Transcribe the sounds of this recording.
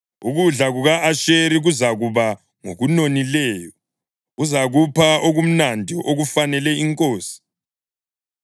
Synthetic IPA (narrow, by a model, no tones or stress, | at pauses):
uɣuɮaɣuɣaʔaʃeɾiɣuzaɣuβa | ŋoɣunonilɛːjɔ | uzaɣupʰaʔoɣum̩nandʱiʔoɣufanɛlɛiŋkʼoːsi̥